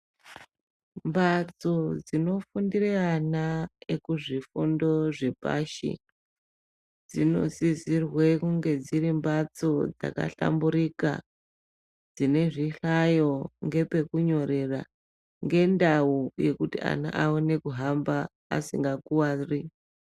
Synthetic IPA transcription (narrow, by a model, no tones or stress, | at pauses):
mbat͡so̞d͡zino̞fundireanaekuʐifundo̞ʐepa̰ʃḭ | d͡zino̞̰sizirwe̞kuŋɡe̞d͡zirimbat͡so̞d͡za̰ka̰ɬa̰mbuɾika̰ | d͡zine̞ʐiɬajo̞ŋɡe̞pe̞kuɲo̞ɾe̞ra̰ | ŋɡe̞ndauje̞kutia̰na̰ʔaone̞kuɦamba̰ː | siŋɡakuwari